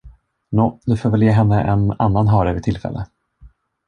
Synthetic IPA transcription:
noːd̪ɵfoːɾvɛljeːɦɛnːəʔɛna̰nːanɦœːɾəvɪt̪ʰɪlfɛ̰lːʔə

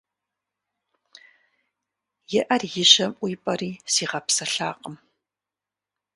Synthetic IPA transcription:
jɪʔɐrjɪɕɐmʔʷʊjpʼɐriːsiːʁɐpsɐɬaːqəm

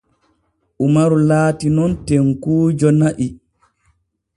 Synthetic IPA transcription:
ʔumaɾulaːtinɔntɛŋkuːd͡ʒɔnaʔi

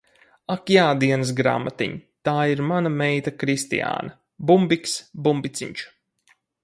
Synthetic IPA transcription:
akjaːd̪iɛnɨs̬ɡɾa̰ːmat̪ḭɲt̪aːiɾmanamɛjt̪akɾist̪ḭja̰ːnɐ | bumbiksbumbit̪siɲt͡ʃu̥

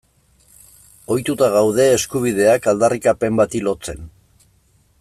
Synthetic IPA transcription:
o̞jt̪ut̪aɣawð̞e̞ːskuβ̞iðe̞akald̪arikape̞mbat̪ilo̞t͡se̞n

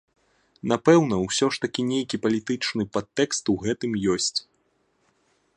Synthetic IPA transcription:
napɛwnɐwsʲɔʂt̪ɐkʲinʲejkʲipɐlʲit̪ɨt͡ʂnɨpat̪ːɛkst̪uɣɛt̪ɨmjɔsʲt͡sʲ

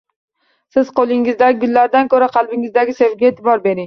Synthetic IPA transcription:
sɪz̥qolˠɪŋɪzd̪aɡʊnːaɾd̪ankʰɵɾaqʰɑlˠbɪŋɪzd̪aɡʲɪsevɡʲaet̪ʰɪbɒɾbe̞ɾɪŋ

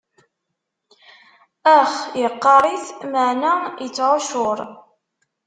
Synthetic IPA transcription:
æχjəqːɑɾˤiθməʕnæjət͡sːʕoʃʊɾˤ

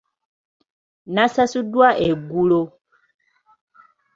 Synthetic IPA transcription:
nasasudwaʔeɡulo

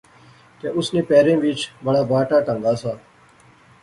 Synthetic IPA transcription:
t̪ḛːʔʊsnĩːpeːɾẽːʋit͡ʃbəɽaːbaːʈaːʈəŋɡaːsaː

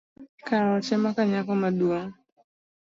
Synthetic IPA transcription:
kaɾɔt͡ʃɛmakaɲakɔmaɗuɔ

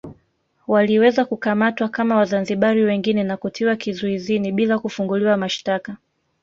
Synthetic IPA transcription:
waliwɛzakukamatwakamawazanziɓaɾiwɛŋɡinɛnakutʰiwakizuiziniɓilakufuŋɡuliwamaʃtaka

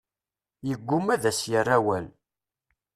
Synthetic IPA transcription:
jəɡʷːʊmæðæsjərːæwæl

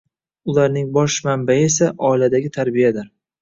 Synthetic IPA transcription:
ʊlaɾnɪŋbɒʃmambaɪe̞saʔɒɪlad̪aɡʲɪt̪ʰaɾbijad̪ɪɾ

